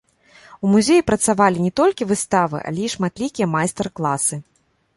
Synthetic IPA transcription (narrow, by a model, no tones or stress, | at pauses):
umuzʲejipɾɐt̪savalʲinʲɛt̪ɔlʲkʲivɨst̪avɨ̰ʔa̰lʲɛiʂmat̪lʲikʲijɐmajst̪ɛrklˠasɨ